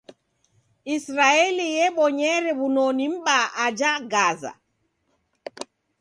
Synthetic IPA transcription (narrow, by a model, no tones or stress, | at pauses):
ʔisɾaelijɛɓɔɲɛːɾɛβunonimɓaad͡ʒaɡaːza̰